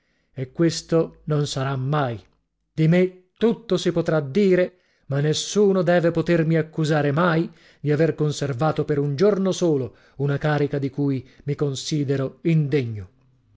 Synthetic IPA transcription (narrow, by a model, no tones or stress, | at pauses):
ekːwest̪ononsaɾamːaːj | d̪̥imet̪ːut̪ːosipot̪ɾad̪ːiːɾe | manːesːuːnod̪ɛːvepot̪ermiakːuzaːɾemaj | d̪iaverkonservaːt̪opeɾund͡ʒornosoːlo | unakaːɾikad̪ikuːjmikonsiːd̪eɾoind̪eɲːo